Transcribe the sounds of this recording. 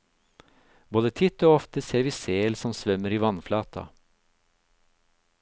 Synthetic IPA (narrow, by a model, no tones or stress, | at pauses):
boːd̪ət̪ʰɪt̪ːoːɔft̪əseːɾʋiːseːlsɔmsʋœmːəɾiːʋɑnflɑːt̪ʰɑ̰